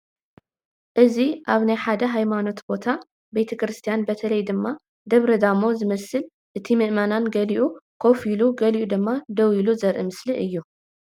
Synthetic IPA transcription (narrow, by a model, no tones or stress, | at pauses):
ʔɨziʔaβnajħad̪ɐɦajmano̞t̪bo̞t̪ʰa | bet̪ʰɐkɾɨst̪ʰijanbɐt̪ʰɐlɐjd̪ɨmːa | d̪ɐβɾɐd̪amo̞zɨmɐsɨl | ʔɨt̪ʰimɨʔmananɡɐliʔukʰo̞filuɡɐliʔud̪ɨmːad̪ɐwiluzɐɾʔɨ̰mɨsliʔɨjːu